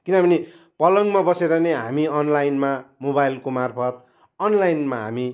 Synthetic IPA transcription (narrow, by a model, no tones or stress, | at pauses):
kinʌbʱʌne | pʌlʌŋmabʌseɾʌneɦa̰miʌnlajnmamobajlkomarpʰʌt̪̚ | ʌnlajnmaɦa̰mi